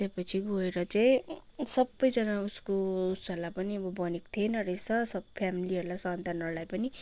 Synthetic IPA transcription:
t̪epʌt͡sʰiɡoeɾʌt͡saĩsʌbːʌjd͡zʌnauskousʌlapʌniʌbʌbʌnekt̪ʰienʌresʌsʌbpʰamiliʌɾulasant̪anʌrlajpʌni

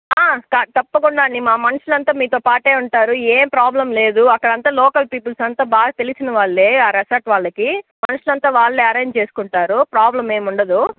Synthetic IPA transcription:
aːkaːt̪ɐpːɐkuɳɖaːnimaːmɐnɐʂulɐnt̪aːmiːt̪oːpaːʈe̞ːuɳʈaːɾueːmpɾaːblɐmle̞ːd̪uɐkːɐɽɐnt̪aːlɔːkɐlpiːpulsɐnt̪aːbaːɡɐt̪elisinɐʋaːɭːe̞ːaːɾɐsɐːɾʈʋaːɭːɐkimɐnɐʂulɐnt̪aːʋaːɭːeːɐɾe̞ːɲd͡ʒt͡ʃe̞ːsu̥kuɳʈaːɾupɾaːblɐme̞ːmuɳɖɐd̪u

